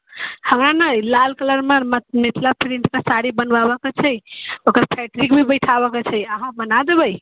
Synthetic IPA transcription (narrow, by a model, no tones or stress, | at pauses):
həmɾanəjlalkələɾmemmit̪ʰlapʰɾinʈʰkesaɽibənbabəket͡ʃʰɛjokəɾpʰɛʈɾikbʱibəɪʈʰabəket͡ʃʰɛjəɦãmənad̪ebəj